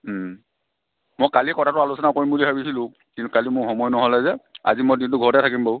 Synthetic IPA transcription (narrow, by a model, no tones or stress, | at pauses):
mojkalikɔtʰatʊalusɔnakoɹimbulibabisilʊ̃ | kintʊkalimʊxɔmɔjnɔɦɔlɛzɛa̰zimɔjdint̬ʊɡʱɔɹɔtɛtʰakimboʊ